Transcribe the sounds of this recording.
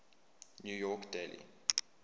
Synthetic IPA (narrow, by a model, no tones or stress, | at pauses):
njujɔkdelḭ